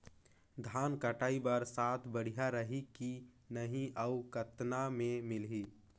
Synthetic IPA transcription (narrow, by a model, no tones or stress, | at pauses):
d̪ʱaːnkəʈaːibəɾsaːt̪ʰbəɽ̤ijaɾəɦiki | nəɦĩʔəʊkət̪namẽmɪlɦi